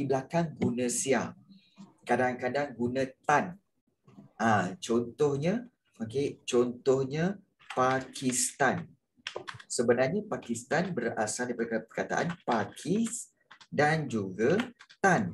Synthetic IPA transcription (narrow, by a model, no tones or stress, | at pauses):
ibəlakaŋɡunə̃sia | kadaŋkadaŋɡunãt̪an | ʔãt͡ʃɔnt̪ɔhɲã | oket͡ʃɔnt̪ɔhɲã | pakʰist̪an | səbənarɲapakist̪anbəra̰sadaipadpərkat̪a̰ʔa̰npakʰis | dand͡ʒuɡat̪an